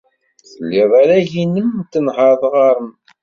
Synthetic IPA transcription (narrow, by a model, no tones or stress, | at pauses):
θəlːiðˤaɾæʝinəmt̪ːənhəɾðˤʁɑɾˤəm